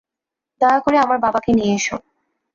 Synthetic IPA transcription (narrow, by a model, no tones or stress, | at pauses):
d̪ɔeakoɾeamaɾbabakenieeʃo